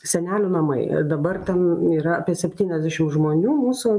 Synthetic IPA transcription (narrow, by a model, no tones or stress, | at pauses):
sʲɛnʲæːlʲʊːnɐmɐɪd̪ɐbɐrt̪ʲɛniːɾɐɐpʲiɛsʲɛpʲt̪ʲiːnʲɛzʲd̪ʲæʃʲɪmʒmoːnʲuːmuːsʊ